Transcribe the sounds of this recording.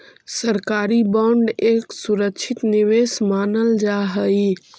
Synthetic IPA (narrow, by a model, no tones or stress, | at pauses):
səɾkaɾibɔ̃ɳɖeksuɾəkt͡ʃʰit̪niʋesmanəld͡ʒaɦəj